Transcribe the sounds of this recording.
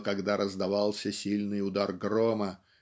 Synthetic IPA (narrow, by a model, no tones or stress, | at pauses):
kɐɡd̪aɾʔəzd̪ɐvɑlˠsʲəsʲilʲnɨjʊd̪arɡromə